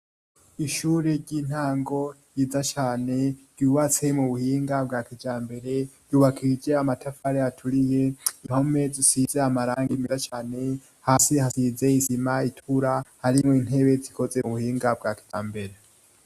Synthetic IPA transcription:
iʃuːɾe̞ɟiːn̥haːŋɡo̞jiːzat͡ʃaːne̞ɾ̥ɟ̥uːβat͡se̞muβuhiːŋɡab̚ɡaːkid͡ʒaːmbe̞ɾe̞ɾ̥juːβakʰid͡ʒe̞amatʰafaɾejatʰuɾije̞inho̞me̞zisizeamaɾaːŋɡimizat͡ʃaːne̞ | haːsihasize̞izimaitʰuɾahaɾimŋoin̥he̞βe̞zikʰo̞zeβuhiːŋɡab̚ɡaːki̥d͡ʒaːmbe̞ɾe

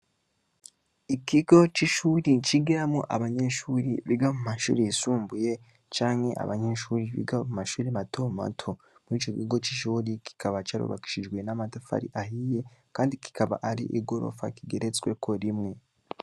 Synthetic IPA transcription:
ikiɡo̞t͡ʃiʃuːɾit͡ʃiɡiɾamŋoʔaβaɲe̞ʃuːɾiβiɡamumaʃṵːɾiisuːmbuje̞ | t͡ʃaːŋhe̞̰ʔa̰βaɲe̞ʃuːɾiβḭɡamumaʃuːɾimatʰoma̰tʰo | muɾiːt͡ʃokiɡo̞t͡ʃiʃuːɾikʰi̥kʰaβat͡ʃaɾo̰βa̰ki̥ʃiʒɡwe̞namatafa̰ɾḭʔaɦije̞kaːndiki̥kaβa̰ʔaɾḭʔiɡo̞ɾo̞̰fa̰kiɡe̞ɾet͡swe̞kʰo̞ɾimŋe̞

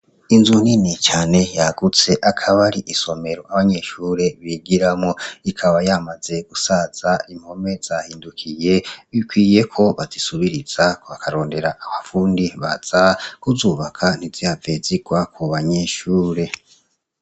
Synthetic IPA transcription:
inzuninit͡ʃaːne̞jaɡut͡se̞ʔakʰaβaɾiʔiso̞me̞ɾoʔaβaɲe̞ʃuːɾe̞βiɡiɾamŋoikʰaβajamaz̥e̞ɡ̥usaz̥aim̥ho̞me̞z̥ahiːndukʰije̞βikwiːje̞kʰo̞βazisuβiɾiz̥akoβakʰaɾo̞ːnde̞ɾaʔːβafuːndiβa̰z̥akuzuːβakʰan̥iziaveːziɡwakʰuβaɲeʃuːɾe̞

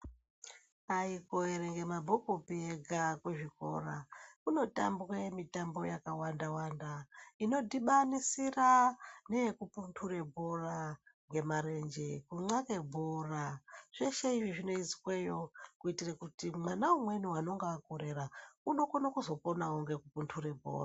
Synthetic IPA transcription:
aikoeɾeŋɡe̞mabʱokopieɡʱakweʐiko̞̰rakuno̞ta̰mbremitambo̞jakawandawandaino̞dʱiɓanisiraneekupuntʰure̞bʱo̞raŋɡe̞maɾe̞nd͡ʒekuŋ͡ǀake̞bʱoraʐ̥eʃeiʐiʐino̞it͡si̥kwejo̞kuitirakutimwanaumwe̞nuwano̞ŋɡaːkoɾe̞ɾauno̞konakuzo̞po̞naoŋɡe̞kupuntʰure̞bʱo̰ːra

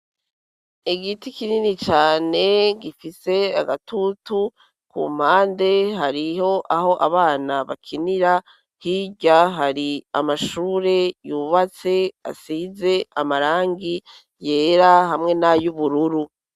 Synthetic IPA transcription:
iɡitikininit͡ʃaːne̞ɡifise̞a̰ɡatutu | kṵm̥haːnde̞ɦaɾiho̞ʔaɦo̞ʔaβaːnaβakʰiniɾa | hiɟaɦaɾia̰maʃuːɾe̞juːβat͡se̞a̰siːze̞amaɾaːŋɡi | je̞ːɾaɦamŋe̞najuβuɾuɾu

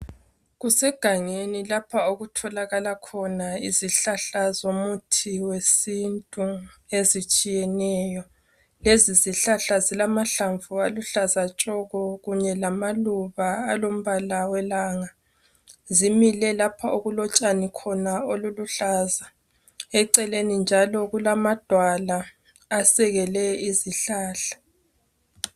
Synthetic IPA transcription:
ɣusɛɡ̥ʱaŋenilapʰaoɣutʰɔlaɣalakʰɔnaiziɬaɬazomutʰiwesintʼuezit͡ʃʼijɛnɛːjɔ | leziziɬaɬazilamaɬaɱvualuɬazat͡ʃʼɔɣɔɣuɲɛlamaluβaːlom̩βalawɛlaːŋa | zimilɛlapʰaʔoɣulɔt͡ʃʼanikʰɔnaoluluɬaːza | ɛǀɛlenind͡ʒʱalɔɣulamad̥ʱwalaː | sɛɣɛlɛiziɬaːɬḁ

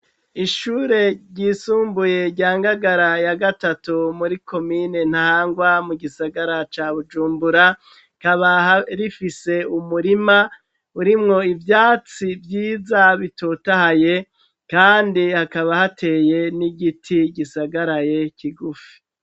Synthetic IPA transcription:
iʃuːɾe̞ɟiːsuːmbuje̞ɾɟaːŋɡaɡaɾajaɡatatumuɾikʰo̞mine̞n̥hahaːŋɡwamuɡisaɡaɾat͡ʃaβud͡ʒuːmbuɾa | kaβahaɾifise̞umuɾima | uɾimŋo̞ivjaːt͡sivjiːzaβitotahaje | kaːndihakaβahatʰe̞ːje̞niɡitʰiɡisaɡaɾajekiɡufi̥

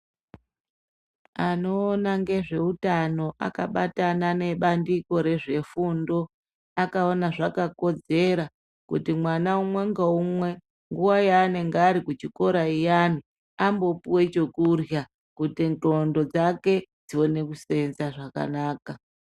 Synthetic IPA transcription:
ano̞ːnaŋɡe̞ʐe̞utano̞ʔa̰ka̰ɓatanane̞ɓandiko̞ɾe̞ʐe̞fundo̞ | akaonaʐakako̞d͡ze̞ɾa | kutimwanaumwe̞ŋɡaumwe̞ | ŋɡuwajaːne̞ŋɡeːɾikut͡ʃiko̞ɾaijani | ambo̞puwe̞t͡ʃo̞kurja | kutinto̞ndo̞d͡zake̞d͡ziwo̞ne̞kuse̞nzaʐaka̰naːka

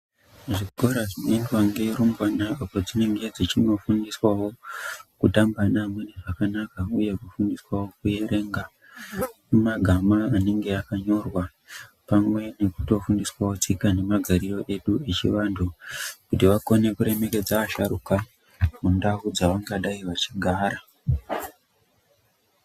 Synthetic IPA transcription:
ʐiɡʱo̞ɾaʐinoendwaŋɡe̞ɾombwanaapo̞d͡zine̞ŋɡe̞d͡zit͡ʃino̞fundiswawo̞kutambanamweneʐakanakauje̞kufundiswawo̞kuje̞ɾʔe̞ːŋɡa | mumaɡʱamaːne̞ŋɡe̞akaɲo̞rwa | pamwe̞ne̞ku̥to̞fundiswawo̞t͡sikane̞maɡʱaɾiro̞ʔe̞ɗue̞t͡ʃḭʋandʰukutiʋako̞ne̞kuɾe̞me̞ke̞d͡zaaʃaɾṵka | mundaud͡zaʋaŋɡaɗaiʋat͡ʃiɡʱaːɾa

